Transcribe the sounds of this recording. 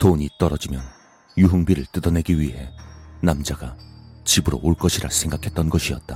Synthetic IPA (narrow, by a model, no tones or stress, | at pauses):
toɲit͈ʌɾʌd͡ʑimjʌn | juɦuŋbiɾɯɭt͈ɯdʌne̞ɡiɥiɦe̞namd͡ʑaɡ̥at͡ɕibɯɾo̰oɭk͈ʌɕʰiɾa̰sʰe̞ŋɡakʰe̞t̚t͈ʌnɡʌɕʰiʌt̚t͈a